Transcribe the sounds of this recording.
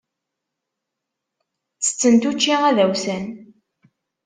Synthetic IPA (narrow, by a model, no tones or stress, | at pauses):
t͡sːə̥t͡sːənt̪ut͡ʃːiʁæðæwsən